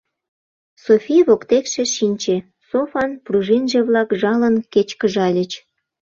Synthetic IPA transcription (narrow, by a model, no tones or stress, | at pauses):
sofʲiβokt̪ekʃeʃinʲt͡ɕe | sofɑnpruʒinʒeβlɑkʒɑlənket͡ɕkəʒɑlʲət͡ɕ